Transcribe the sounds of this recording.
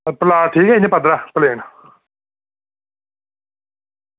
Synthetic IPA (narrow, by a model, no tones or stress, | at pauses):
pəlaːʈʰiːkɛːinepəd̪ɾaːpəleːɳ